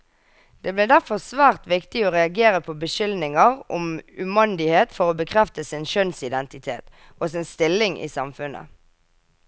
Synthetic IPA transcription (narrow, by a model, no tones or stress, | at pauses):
d̪̥eːbleːd̪æʁfɔʁsʋæːʁt̪ʋɪkt̪ɪoːʁɛɑɡeːʁəpʰoːbəʃʏlnɪŋəʁɔmʉmɑnd̪ɪheːt̪fɔʁoːbəkʰʁɛft̪əsɪnʃœnsɪd̪ɛnt̪ɪt̪ʰeːt̪ | oːsɪnst̪ɪlɪŋʔḭːsɑmfʉnʔə̰